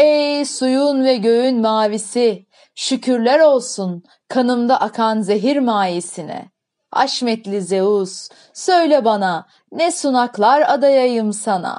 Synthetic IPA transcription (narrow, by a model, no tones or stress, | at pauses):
ejsujunvɛɟø̞jynmaːvisi | ʃycʰyɾlʲæɾo̞lˠsun | kʰanɯmd̪aʔakʰanzeɦiɾmaːjisinɛ̰ | a̰ʃmɛt̪lʲize̞uz | sø̞jlʲɛbana | nɛsunaklˠaɾad̪ajajɯmsana̰